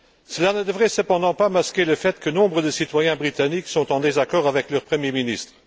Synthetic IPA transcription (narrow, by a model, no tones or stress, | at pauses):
səlanəd̪əvʁɛsəpɑ̃d̪ɑ̃pamaskʲeləfɛt̪kənɔ̃bʁəd̪əsit̪wajɛ̃bʁit̪aniksɔ̃t̪ɑ̃d̪ezakɔːʁavɛklœʁpχəmjeminist̪χ